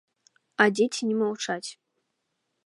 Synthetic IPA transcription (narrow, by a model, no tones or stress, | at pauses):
adʲetʲʰinʲimawʈ͡ʂatʲ